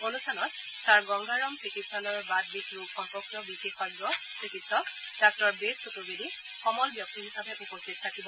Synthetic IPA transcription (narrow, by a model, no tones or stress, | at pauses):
onustʰanɔt̚ | saɹɡɔŋɡʱaɹɔmsikitsalɔjɔbad̚bikɹukxɔŋpɔk̚tɔbixexɔɡɔ | sikitsɔk | d̥ak̚tɔɹbesʰotubedi | xɔmɔlbjɔk̚tiɦisabɛʔupostit̚tʰakibɔ